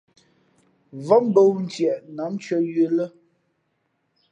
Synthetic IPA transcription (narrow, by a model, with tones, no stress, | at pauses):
vɔ˦m˦bə˦wn̩˦tjɛ˨ʔna˨˦mt͡ʃɥə˦jə˦lə˦